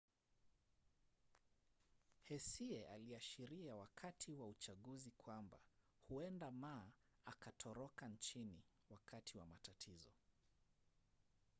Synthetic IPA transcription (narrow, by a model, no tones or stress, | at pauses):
hɛsiɛʔaliaʃiɾiawakʰatʰiwaut͡ʃaɠuzikʰwamba | huɛndamaː | akatʰɔɾɔkant͡ʃini | wakʰatʰiwamatatʰizɔ